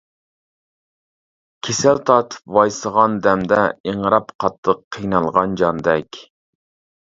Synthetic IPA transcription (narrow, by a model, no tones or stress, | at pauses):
kʲʰesælt̪ʰɑt̪ʰɨ̥pwɑjsəʁɑnd̪ɛmd̪ɛeɴɾɑpqʰɑt̪lˠəqʰːijnɑlˠʁɑnd͡ʒɑnd̪ɛkʲ